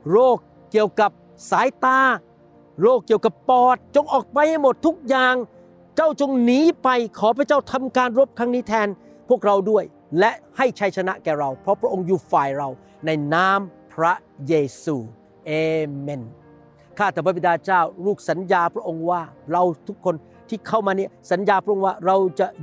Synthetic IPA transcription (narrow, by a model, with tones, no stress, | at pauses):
ɾoː˥˩kːi˨˩əwka˨˩p̚ | saː˨˦jt̪aː˧ | ɾoː˥˩kːi˨˩əwka˨˩pːɔː˨˩t̪̚t͡ɕo˧ŋʔɔː˨˩k̚pa˧jha˥˩jmo˨˩t̪ʰːu˦˥k̚jaː˨˩ŋ | t͡ɕa˥˩wt͡ɕo˧ŋniː˦˥pa˧jkʰɔː˨˦pʰɾa˧˥t͡ɕaː˥˩wt̪ʰa˧mkaː˧nɾo˦˥p̚kʰɾaː˦˥ŋniː˦˥t̪ʰɛː˧n | pʰu˥˩ək̚ɾa˧wdu˥˩əj | lɛ˦˥ʔha˥˩jt͡ɕʰa˦˥jt͡ɕʰa˧na˦˥ʔkɛː˨˩ɾa˧wpʰɾɔ˦˥pʰɾa˦˥ʔo˧ŋjuː˨˩faː˨˩jɾa˧w | na˧jnaː˦˥mpʰɾa˦˥ | jeː˧suː˧ | ʔeː˧me˧n | kʰaː˥˩t̪ʰːaː˨˩pʰa˦˥bi˧˩daː˧t͡ɕaː˥˩wɾuː˥˩k̚sa˩˦njaː˧pʰɾa˦˥ʔo˧ŋwaː˥˩ɾa˧wt̪ʰu˦˥kʰːo˧n | t̪ʰiː˥˩kʰa˥˩wmaː˧ni˥˩ɐsa˩˦njaː˧pʰɾa˥ʔo˧ŋwaː˥˩ɾa˧wt͡ɕa˨˩